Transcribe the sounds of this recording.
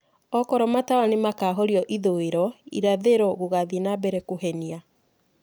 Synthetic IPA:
ɔkɔɾɔmatawanemakaːɦɔɾiɔʔiðoeɾɔḭɾaðeɾɔɣoɣaðinabɛɾɛkoɦɛnia

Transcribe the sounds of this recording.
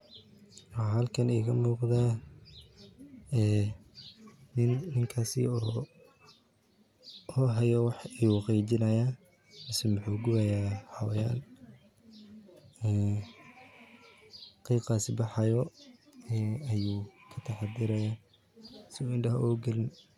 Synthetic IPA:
wɦɐlkʰɐnɛːkʰɐmuːqd̪aː | ɛː | nɪnːɪŋkʰaːsɪ̰ɔː | ɔɦɛjɔwɑħiwɑqɛːt͡ʃɪnɐjaː | mɪsɛmʊħuːɡʊɐjaːhɐwja̰ːn | ɛː | qiːqaːsɪbɑħɑjɔ | ɛɐjuːkʰɐt̪ʰɑħɑd̪ɪɾɐjaː | sɪuːɪnɖɐɦʔɔːɡɐlɪn

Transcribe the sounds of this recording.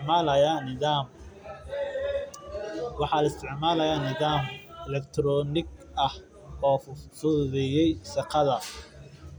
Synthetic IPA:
ʕmaːlɐjaːnɪðaːm | wɑħɑːlɐɪst̪ʰɪʕmaːlɐjaːnɪðaːmɛlɛkt̪ʰɾɔːnɪɡɐh | ɔːfʊðɛjɛjʃɑqɑðɐ

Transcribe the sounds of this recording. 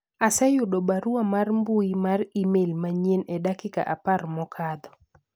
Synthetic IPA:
asɛjʊdɔbaɾuamarmbuimarimelmaɲenɛdakika̰ʔaparmɔkʰad̪ɔ

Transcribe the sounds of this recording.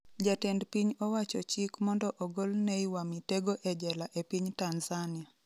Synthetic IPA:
d͡ʒatendpiɲɔwat͡ʃɔt͡ʃikmɔndɔʔɔɡolneiwamiteɡoʔɛd͡ʒɛlaʔepiɲtanzania

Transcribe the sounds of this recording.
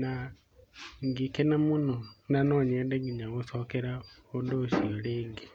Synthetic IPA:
na | ŋɡikenamunonanoɲɛndeŋɡiɲaɣosokeɾaondoʃioleːŋɡi

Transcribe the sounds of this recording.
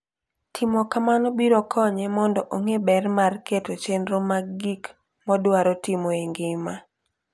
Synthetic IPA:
tʰɪmɔkamanobiɾɔkʰɔɲɛmɔndɔʔoŋebɛrmarketot͡ʃenɾomaɡik | mɔdwaɾɔtɪmoeŋɡɪma

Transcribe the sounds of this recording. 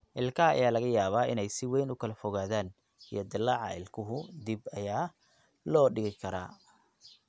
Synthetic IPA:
ʔɪlkʰɐɐa̰jaːlɐɣɐjaːβaːʔɪnɛjsɪwɛjnʊkʰɐlɐfɔɣaːðaːn | ḭjɞd̪ɪlːɐʕɑ̰ɪlkʰʊɦʊd̪ibɐjaː | lɔːɖɪɣɪkʰɐɾa̰ː

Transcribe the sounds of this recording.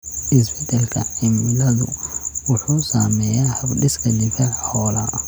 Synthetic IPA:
ʔɪsbɛd̪ɛlkʰɐʕɪmlɐðʊ̰wʊħuːsaːmɛjahɐbɗɪskʰɐlɪfɐʕħɔːla̰

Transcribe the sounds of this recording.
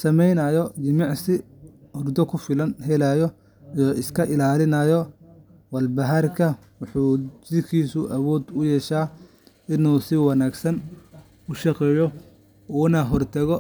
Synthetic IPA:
sɐmɛjnɐjɔd͡ʒɪmɑʕsɪʊrd̪ɔkʰʊfɪlɐnɦɛlaːjɔ | ijɔʔɪskʰɐʔɪlaːlɪnɐjɔ | wɐlbɐɦɐrkʰɐ | wʊħuːt͡ʃɪɾkʰiːsʊʔɐwɔːd̪ʊjɛːʃaː | ɪnuːsɪwɑnaːɡsɐn | ʊʃɑqɛːjɔ | ɔːnaɦɔrt̪ʰɐɣɔ

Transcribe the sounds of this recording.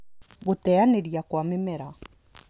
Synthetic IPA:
ɣotɛaneɾiakwamemɛɾa

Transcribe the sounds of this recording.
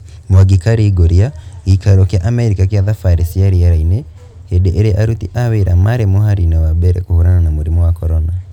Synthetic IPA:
mwaɡikaɾiɡoɾiaikaɾɔkjaʔamɛɾikakjaðafaɾisiaɾiaɾaine | hedeʔeɾeʔaɾutḭʔaweɾamaɾemohaɾinawabɛɾɛ̰kuhuɾananamuɾimɔwakɔɾɔna

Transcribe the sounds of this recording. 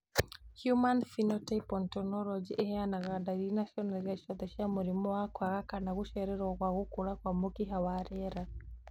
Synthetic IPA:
hjumanfinɔtapɔntɔnɔlɔd͡ʒiʔɛhɛanaɣadaɾinaʃɔnaɾaʃɔd̪ɛʃamuɾimɔakwaɣakanaɣuʃɛɾɛɾɔɣwaɣukuɾakwamukiɦawaɾɛɾa

